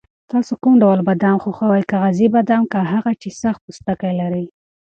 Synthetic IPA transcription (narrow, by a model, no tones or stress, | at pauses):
t̪ɑsokumɖawlbad̪ɑmxoxawajkaɣazibad̪amkaɦaɣat͡ʃesaxt̪̚pust̪akajlaɾəj